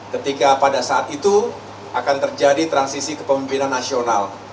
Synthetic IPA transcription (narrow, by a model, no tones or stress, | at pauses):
kət̪ikapadasaat̪it̪u | ʔakant̪ərd͡ʒadit̪ɾansisikə̥pəmimpinanːasional